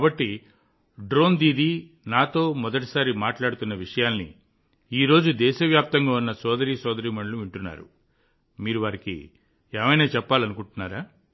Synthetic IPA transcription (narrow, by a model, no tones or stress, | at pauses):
kaːbɐʈːi | ɖɾo̞ːnd̪iːd̪i | naːt̪o̞ːmɔd̪ɐʈ̬i̥saːɾimaːʈlaːɽut̪unːɐʋiʂɐjaːlnḭ | iːɾo̞ːd͡ʒud̪ɛːʃɐʋjaːp̚t̪ɐŋɡaːunːɐsɔːd̪ɐɾiːsɔːd̪ɐɾiːmɐɳɖluʋiɳʈunːa̰ːɾṵ | miːɾuʋaɾikḭ | eːmɐjnaːt͡ʃɛpːaːlɐnukuɳʈunːaːɾaː